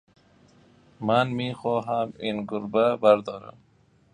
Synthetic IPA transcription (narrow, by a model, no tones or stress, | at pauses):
manmixɔːɦaminɡʊɾbabaɾd̪ɔːɾa̰m